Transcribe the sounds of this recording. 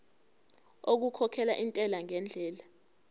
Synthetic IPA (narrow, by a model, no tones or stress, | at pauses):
ok̬ukʰɔkʰɛla̰ʔintʼɛlaŋɛnd͡ɮʱɛːla